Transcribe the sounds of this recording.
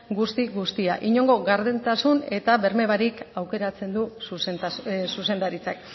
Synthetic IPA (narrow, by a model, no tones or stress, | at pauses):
ɡust̪iɣust̪iaʔiɲo̞ŋɡo̞ɣaɾðent̪asune̞t̪aβe̞ɾme̞βaɾikawke̞ɾat͡se̞nd̪u | suse̞nd̪aɾit͡sak